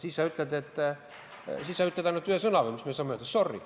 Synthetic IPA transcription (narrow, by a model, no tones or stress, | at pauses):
sisːɑyt̪let̪et̪ː | sisːɑyt̪lːet̪ɑinot̪yøsɤnɑʋemismyøsɑmoet̪ːesorːḭ